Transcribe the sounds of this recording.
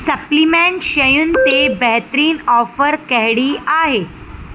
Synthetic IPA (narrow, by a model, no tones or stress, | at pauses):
səplimẽɳɕəjuːnt̪ebɛɦt̪ɾiːnɔfəɾkɛɦɽiːaɦe